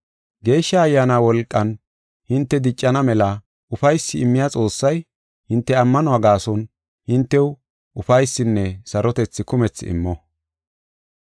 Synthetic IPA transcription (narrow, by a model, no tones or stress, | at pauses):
ɡe̞ːʃːɐːjːaːnaːwɔlkʼːɐn | hɪnt̪ːɛd̪ɪt͡ʃʼːɐnɐmɛlɐ | ʊfɐjsːɪɪmːɪjat͡sʼo̞ːsːɐj | hɪnt̪ːɛɐmːɐnɔɐɡaːsɔn | hɪnt̪ːɛw | ʊfɐjsːɪnːɛsɐɾɔt̪ɛt͡sːɪkʊmɛt͡sːɪ̰mːɔ